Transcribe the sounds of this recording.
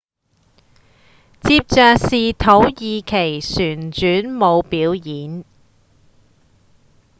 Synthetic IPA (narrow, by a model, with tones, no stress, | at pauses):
t͡siː˧p̚t͡sœː˨˧k̚siː˨t̪ʰo˨˥wjiː˨˧kʰe˨˩jsyː˨˩nt͡ʃyː˨˥nmo˨˧wpiː˨˥wjiː˨˥n